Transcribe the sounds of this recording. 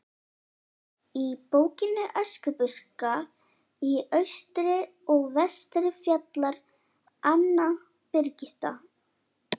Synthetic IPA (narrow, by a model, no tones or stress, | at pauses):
ipoːwcɪnʏʔɛskʏpʏska | iœɥst̪ɾɪ | ɔɣvɛst̪ɾɪfjat̪laɾ̥ | anːa | pɪɾcɪht̪a̰